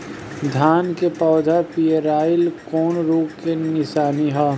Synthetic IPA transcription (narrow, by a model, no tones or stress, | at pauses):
d̪ʱaːnkepɔːd̪ʱapieɾaːɪlkɔːnɾuːkenɪsaːniɦaː